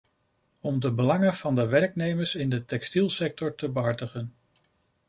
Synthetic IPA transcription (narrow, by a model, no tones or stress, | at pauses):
ɔmdəbəlɑŋənv̥ɑndəʋɛɹknejməɹsɪndətɛkstilˠsɛk̚tɔɹtəbəɦɑɹdəχən